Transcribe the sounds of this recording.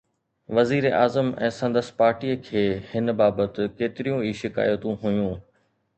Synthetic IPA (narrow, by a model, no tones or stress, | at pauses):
ʋɐziːɾeʔaːzəmɛ̰̃ːsɐ̃nd̪əspaːɾʈiːəkʰeːhɪnbaːbət̪ɪ̆keːt̪ɪɾijũiːʃɪka̰ːjət̪ũɦʊjũː